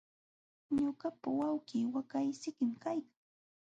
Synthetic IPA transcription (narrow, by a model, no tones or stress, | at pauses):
ɲoɢapawawɢiːwakajsɪkɪmkajkaŋ